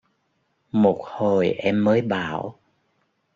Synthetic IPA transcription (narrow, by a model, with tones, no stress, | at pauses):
mo˨˩t̚ho˨˩jʔɛ˧mːəː˨˦jɓa̰ː˧˩˨w